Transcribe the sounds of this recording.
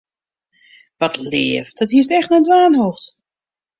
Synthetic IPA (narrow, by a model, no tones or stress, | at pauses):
ʋɔtlɪːəfd̥ɔthiəs̬tɛxtnɛdʋaːnhoːxt